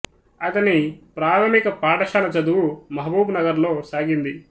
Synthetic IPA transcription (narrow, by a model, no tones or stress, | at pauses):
ɐt̪ɐnipɾaːɾɐmikɐpaːʈɐʃaːlɐt͡ʃɐd̪uwumɐɦɐbuːbnɐɡɐɾlo̞ːsaːɡind̪i